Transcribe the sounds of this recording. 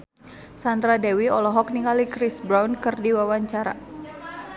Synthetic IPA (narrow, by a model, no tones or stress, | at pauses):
sandɾadɛwiɔlɔɦɔk̚niŋalikɾisbɾawnkɨrdiwawaɲt͡ʃaɾa